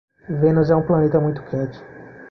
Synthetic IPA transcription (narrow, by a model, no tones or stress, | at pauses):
vẽnʊzɛũplɐnet̪ɐmũj̃t̪ʊ̥kʰɛt͡ʃɪ̥